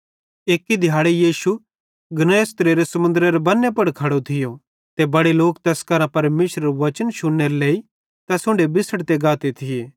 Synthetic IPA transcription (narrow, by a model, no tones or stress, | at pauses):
eːkːid̪ʱjaːɭejiːʃu | ɡɐnəjst̪ɾeːɾesɐmʊ̃nd̪ɾeɾebɐnːepɐɽkʰɐɽot̪ʰɪjo | t̪ebɐɽeloːkt̪ɛskɐɾãpɐɾmeːʃɾəɾʋɐt͡ʃənʃʊnːeɾeleːi | t̪ɐsʊ̃ɳɖebɪsəɽt̪eɡaːt̪et̪ʰɪjeː